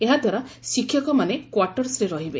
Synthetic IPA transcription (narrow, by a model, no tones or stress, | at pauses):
eɦad̪ʱwaɾasikʰːjɔkɔmanekwaɾʈɔɾsɾeɾɔɦibe